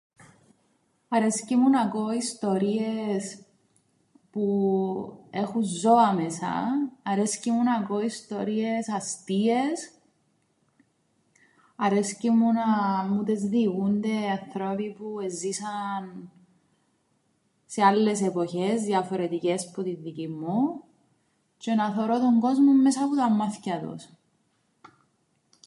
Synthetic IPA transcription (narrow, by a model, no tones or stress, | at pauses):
ɐɾe̞scimunɐko̞ist̪o̞ɾies | pu | e̞xunzo̞ɐmesɐ̰ːɾe̞scimunɐko̞ist̪o̞ɾie̞sɐst̪ie̞s | ɐɾe̞scimunɐmut̪ezðiɣund̪e̞ɐnθɾopipuezːisɐn | sealːe̞sepo̞çezðjɐfo̞ɾe̞t̪icesput̪iðicimːu | cenɐθoɾot̪oŋɡo̞zmomːesɐput̪ɐmːɐθcɐt̪o̰s